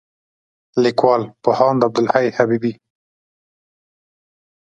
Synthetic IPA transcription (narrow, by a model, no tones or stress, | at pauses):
likwɑlpʊhɑnd̪əab̚d̪ʊlhajhabibi